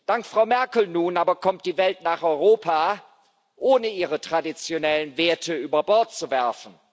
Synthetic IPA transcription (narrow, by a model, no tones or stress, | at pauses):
d̥aŋkfʁ̥aʊmɛɐkl̩nuːnaːbɐkʰɔmt̚d̥iːvɛltnaːχɔʏʁoːpʰaː | ʔoːnəiːʁətʁ̥adit͡sjonɛlənveːɐtʰəyːbɐbɔɐt̚t͡suvɛɐfn̩